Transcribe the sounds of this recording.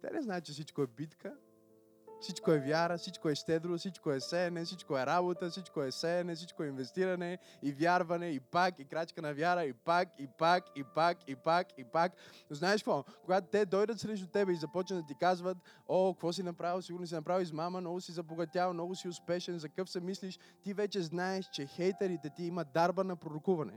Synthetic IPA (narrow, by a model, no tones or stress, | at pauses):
t̪ɛ̰nɛznaɛt̪t͡ʃɛsit͡ʃkoɛbit̪kə | fsit͡ʃkoɛvʲjaɾəsit͡ʃkoɛʃt̪ɛd̪ɾosit͡ʃkoɛsɛnɛsit͡ʃkoɛɾabot̪əsit͡ʃkoɛsɛnɛsit͡ʃkoɛinvɛst̪iɾɐnɛ | ivjaɾvɐnɛipakikɾat͡ʃkənɐvʲjaɾəipakipakipakipakipaknoznaɛʃkvɔkoɡat̪ʊt̪ɛd̪ɔjd̪ət̪sɾɛʃ̬t̪ʊt̪ɛbɛizɐpɔt͡ʃnəd̪ɐt̪ikazvət̪okvɔs̬inɐpɾavilˠsiɡʊɾnosinɐpɾaviʃsmamənnɔɡʊsizɐboɡɐt̪ʲjavɐnɔɡʊsiʊspɛʃɛnzɐkəfsɛmisliʃ | t̪ivɛt͡ʃɛznaɛʃt͡ʃɛxɛjt̪ɐɾit̪ɛt̪iimɐd̪aɾbənɐpɾoɾʊkuvɐnɛ̰